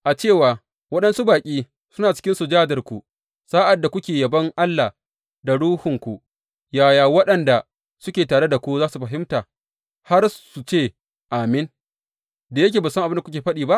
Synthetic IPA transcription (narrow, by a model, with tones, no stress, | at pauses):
ʔa˨t͡ʃeː˦˨waː˨ | wɐ˦ɗɐ˦nsu˦baː˨kʲʼiː˦ | sʊ˦naː˨t͡ʃɪ̥˦kʲɪ˦nsu˨d͡ʒaː˦dɐ˨rkʷu˨ | saː˦ʔa˨dːa˨kʷʊ˦kʲeː˨jɐ˨bɐ˦ŋʔa˦lːa˨ | da˨ɽuː˦hʊ˨ŋkʷu˨ | jaː˦˨jaː˨wɐ˦ɗɐ˨nda˨ | sʊ˦kʲeː˨taː˨ɽe˦da˨kʷu˦zaː˦su˨ɸɐ˨ɦɪ˦mtaː˨ | ha˦rsu˨t͡ʃeː˦˨ | ʔa˨mɪ˦n | da˨jɐ˦k̬ʲeː˨baː˨sŋʔa˨bɪ˦nda˨kʷʊ˦kʲeː˨ɸɐ˦ɗiː˨ba˦ʔ